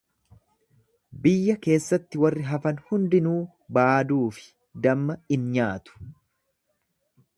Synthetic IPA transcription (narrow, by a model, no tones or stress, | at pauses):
bɪjːɐke̞ːsːɐt̪ːɪwɐrːɪɦɐfɐnhʊnd̪ɪnuː | baːd̪uːfɪ̥ | d̪ɐmːɐɪnɲaːt̪ʊ̥